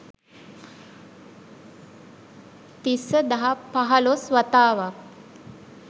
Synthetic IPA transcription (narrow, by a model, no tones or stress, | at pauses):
t̪isəd̪ɐɦapaɦalosʋɐt̪aːʋa